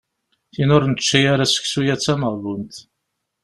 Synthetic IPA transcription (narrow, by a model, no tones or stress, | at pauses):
θinʊɾnt͡ʃːijaɾasə̥çsujæt͡sːæməʁðunt̪